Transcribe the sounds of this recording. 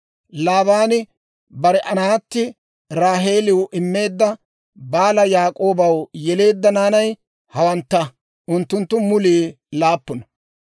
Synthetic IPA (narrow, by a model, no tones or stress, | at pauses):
laːbaːnɪ | bɐɾɛʔɐnaːt̪ːɪ | ɾaːɦe̞ːlɪwʊʔɪmːe̞ːd̪ːɐ | baːlɐjaːkʼo̞ːbɐwjɛle̞ːd̪ːɐnaːnɐj | hɐwɐnt̪ːɐ | ʔʊnt̪ːʊnt̪ːʊmʊliː | laːpːʊnɐ